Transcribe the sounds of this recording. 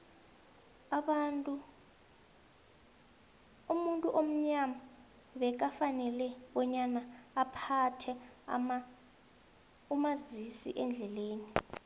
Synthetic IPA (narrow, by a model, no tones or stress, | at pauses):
u | umuntʼuʔom̩ɲama | ɓɛk̬afanɛlɛɓɔɲanaːpʰatʰɛm | umazisḭʔɛnd͡ɮʱɛleːni